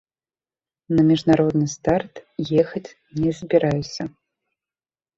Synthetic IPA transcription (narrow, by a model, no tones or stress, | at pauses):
nɐmʲiʐnaɾɔd̪nɨst̪art̪jɛxɐt͡sʲ | nʲɛzʲbʲɛɾajsʲɐ